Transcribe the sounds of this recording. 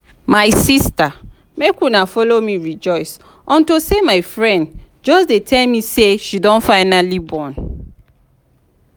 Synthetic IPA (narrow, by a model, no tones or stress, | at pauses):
maɪsista | mekwunafɔlomiɹid͡ʒɔɪs | ɔ̃ntosemaɪfɹɛ̃nd | d͡ʒɔsdetʰɛlmiseʃidɔ̃nfaɪnalibɔ̃n